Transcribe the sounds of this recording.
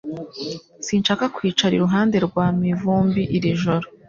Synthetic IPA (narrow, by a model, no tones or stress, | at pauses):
siːnʃaːkakwiːt͡ʃaɾḭɾuɦaːnde̞ɾɡwaːmivuːmbiʔiɾiʒoɾo